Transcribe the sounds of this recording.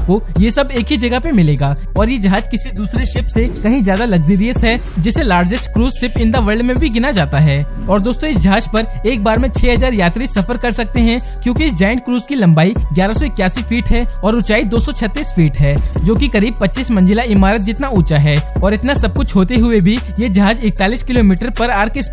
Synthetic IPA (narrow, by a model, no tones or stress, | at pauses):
kojesɐbeːkɦid͡ʒɐɡəpemɪleːɡaː | ɔːɾjed͡ʒɐɦaːd͡ʒkɪsed̪uːsɾeʃɪpsekɐɦĩzjaːd̪alɐɡziːɾijəsɦɛ | d͡ʒɪselaːɾd͡ʒɪkskɾuːzsɪpɪ̃nd̪aʋɐɾɖmẽbʱiɡɪnad͡ʒaːt̪aɦɛː | ɔːɾd̪oːst̪õɪsd͡ʒɦaːd͡ʒpɐɾ | eːk̚baːɾmẽt͡ʃʰɛːɦɐzaːɾjaːt̪ɾisɐfəɾkɐɾsɐk̚t̪eɦɛ̃ | kjõːkiɪs̬d͡ʒaːɪ̃ɳʈ̚kɾuːzkilɐ̃mbaːiɡjaːɾasɔɪkjaːsifiːʈɦɛɔːɾʊt͡ʃaːid̪oːsɔt͡ʃʰɐt̪ːiːsfiːʈɦɛːd͡ʒoːkikɐɾiːb̚pɐtːt͡ʃiːsmɐ̃nd͡ʒɪlaɪmaːɾət̪̚d͡ʒɪt̪nauːt͡ʃaɦɛːɔːɾɪt̪nasɐb̚kʊt͡ʃʰɦoːt̪eɦʊebʱi | jed͡ʒɐɦaːd͡ʒɪk̚t̪aːliːskɪloːmiːʈəɾpɐɾaːɾkɪs